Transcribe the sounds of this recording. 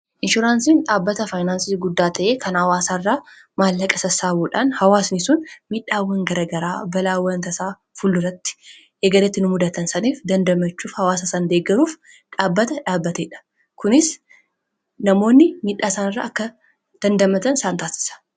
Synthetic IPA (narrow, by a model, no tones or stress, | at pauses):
ʔɪnʃʊɾaːnsiːnᶑaːbːɐt̪ɐfajnaːnsiːɡʊd̪ːaːt̪ʰɐʔeːkʰɐnhɐwaːsaːɪrːaː | maːlːɐkʼɐsɐsaːbuːᶑaːnhɐwaːsnɪsʊnmiᶑaːwːɐŋɡɐɾɐɡɐɾa̰ːbɐlaːwːɐnt̪ɐsaː | fʊlːʊrɐt̪ːɪ̥ | ʔeːɡɐɾɛt̪ːɪnʊmʊd̪ɐt̪ɐnsɐniːfd̪ɐnd̪ɐmɐt͡ʃːuːfhɐwaːs̬ɐsaːnd̪eːɡɐɾuːf | ᶑaːbːɐt̪ɐᶑaːbːɐt̪eᶑɐ̥ | kʊnɪs | nɐmo̞ːnːɪmiᶑːaːsaːnɪrːa̰ːʔɐkːɐ | d̪̥ɐnd̪ɐmɐt̪ɐnsaːnt̪aːsɪ̥sɐ̥